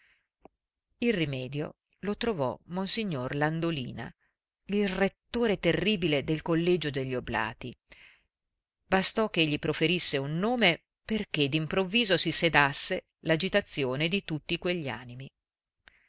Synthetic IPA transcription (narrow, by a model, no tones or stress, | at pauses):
ilrimɛːd̪jo̰ | lot̪ɾovɔ̰monsiɲːorland̪olḭːna̰ | ilret̪ːoːɾet̪erːiːbiled̪elkolːed͡ʒod̪eʎːiobla̰ːt̪i | bast̪ɔk̟ːeʎːipɾofeɾisːeunːoːme | perk̟ed̪impɾovːiːzosised̪asːe | lad͡ʒit̪at̪sːjoːned̪it̪ut̪ːikweʎːia̰ːnimi